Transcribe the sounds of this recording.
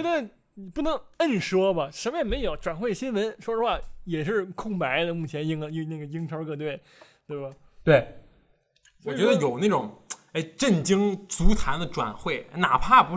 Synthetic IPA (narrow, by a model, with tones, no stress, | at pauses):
ɛ˧˥d̪ə˧ | i˨˩pu˥˩nɤ˧˥ŋə˥˩nʂwɔ˥bɐ˨ʂə˧˥mjɛ˥˩nme˧˥˩jo˨˩˥ʊʈ͡ʂwa˨˩nxwe˥˩ɪɕi˥nwə˧˥nʂwɔ˥d̪ə˧xwa˥˩jɛ˨˩ʂɻ̩˥˧kʰʊ˥˩ŋpa˧˥ɪd̪ə˧mu˥˩t͡ɕʰjɛ˧˥nji˥˩ŋ˧ji˧na˥˩ɡə˩ji˥ŋʈ͡ʂʰə˧˥kɤ˥˧t̪we˥˩ɪ | t̪we˥˩ɪba˨˩ | t̪we˥˩ɪ | wɔ˨˩t͡ɕɥɛ˧˥d̪ə˧jo˨˩ʊna˥˩ʈ͡ʂʊ˨˩˦ŋe˥ɪʈ͡ʂə˥˩nt͡ɕi˥ŋt͡su˧˥t͡sʰa˧˥nd̪ə˧ʈ͡ʂwa̰˨˩nxwe˥˩ɪ˥na˨˩pʰa˥˩pu˧˥